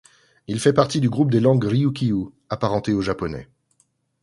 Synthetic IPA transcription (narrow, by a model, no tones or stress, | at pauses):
ilfɛpaʁt̪id̪yɡʁup̚d̪elɑ̃ɡʁiukʲiu | apaʁɑ̃t̪eoʒapɔnɛ̰